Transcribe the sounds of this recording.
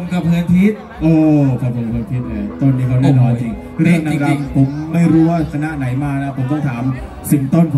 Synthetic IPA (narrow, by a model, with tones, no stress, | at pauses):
o˧˦mka˨˩p̚kʰɯ˧ənp̪ʰiː˦˥t̪̚ | ʔɤː˧kʰa˨˩pʰo˨˩˦mpʰɯː˧nt̪ʰiː˦˥t̪̚laː˧˩t̪o˥˩nːiː˦˥kʰa˥wɾi˥˩˨ŋaː˧t͡ɕi˧˩ŋ | ɾɯ˥˩əŋna˧ɾa˧mpʰo˩˦mːa˥˩jɾuː˦˥waː˥˩kʰa˧na˦˥ʔna˩˦jmaː˧na˦˥pʰo˩˦mt̪ɔ˥˩ŋt̪ʰaː˩˦m | si˨˩ŋt̪o˥˩npʰ